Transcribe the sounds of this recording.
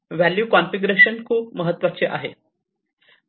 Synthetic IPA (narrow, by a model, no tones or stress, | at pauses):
ʋæljuːkɔnfiɡuɾeɕənkʰuːp̚məɦət̪ːʋat͡ɕeʔa̰ɦḛ